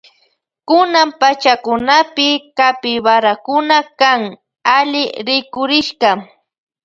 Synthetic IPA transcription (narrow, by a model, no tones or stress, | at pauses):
kʊnampat͡ʃakʊnapɪkapɪwaɾakʊnakaŋ | aʎɪɾɪkʊɾɪʃkɑ